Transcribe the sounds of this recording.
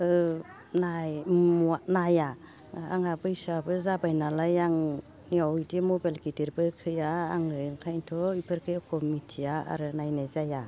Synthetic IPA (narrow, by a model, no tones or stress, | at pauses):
ɯ | najmanaja | a̰ŋabɯisabɯzabajnalajaŋ | niawidemɔbajlkitiɾbɯkʰɯjaːŋɯjŋkʰajntʰɔipʰɯɾkʰɯjakʰɔmitʰijaa̰ɾɯnajnazaja